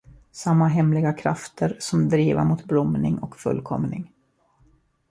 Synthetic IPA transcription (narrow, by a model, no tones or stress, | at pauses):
samːaɦɛmlɪɡakʰɾa̰ft̪ʰəɾsɔmd̪ɾiːva̰mʊt̪blɔmnɪŋɔkfɵ̰lːkʰɔmnɪ̰ŋ